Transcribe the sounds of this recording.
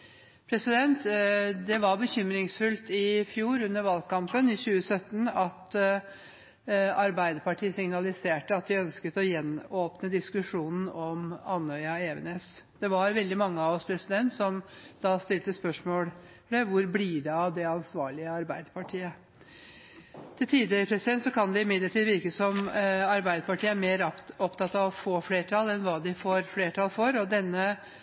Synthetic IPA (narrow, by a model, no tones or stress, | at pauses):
pʰɾɛsɪd̪ɛnt̪d̪ɛʋɑɾbəçʏmɾɪŋsfʉlt̪ɪfjuːɾʉnːəɾʋɑlkɑmpənɪçʉːəsœt̪ːnɑt̪ | ɑɾbæɪd̪əɾpɑʈʰiːəsɪŋnɑlɪseːʈəɑt̪̚d̪ɪœnskət̪ɔjɛnːoːpnəd̪ɪskʉʂuːnn̩ɔmɑnœʏɑeːʋə̰nesd̪̥ɛʋɑɾʋɛld̪ɪmɑŋːəɑʋɔspʰɾɛsɪd̪ɛnt̪sɔmd̪ɑst̪ɪlt̪əspœʂmoːl | d̪ɛʋʊɾbliːɖɑd̪ɛɑnsʋɑːɭɪəɑɾbæɪd̪əpʰɑʈʰiːə | t̪ʰɪlt̪ʰiːd̪ɪɾəpʰɾɛsɪd̪ɛnt̪sɔkʰɑnd̪ɪɪmɪd̪ləʈʰid̪əʋɪɾkəsɔmɑɾbæɪd̪əpɑʈʰiːəæɾmeːɾɔpt̪ʰɑt̪ːɑʋɔfoːfleːʈʰɑlɛnʋɑːd̪ɪfoːɾfleːʈʰɑlfɔɾɔd̪ɛnːə